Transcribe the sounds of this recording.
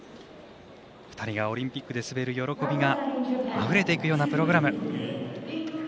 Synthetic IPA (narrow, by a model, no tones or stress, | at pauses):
ɸɯ̥t̪aɾʲiɡao̞ɾʲĩmpʲikːɯd̪e̞sɨbe̞ɾɯ̟jo̞ɾo̞ko̞bʲiɡaaɸɯ̟ɾe̞t̪e̞ikɯ̟jo̞ːnapɯ̟ɾo̞ɡɯ̟ɾamɯ̟